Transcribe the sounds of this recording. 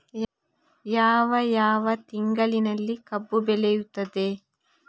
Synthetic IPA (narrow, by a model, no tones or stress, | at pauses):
jaːʋɐjaːʋɐt̪iŋɡɐlinɐlːikɐbːubɛlɛjut̪ːɐd̪e̞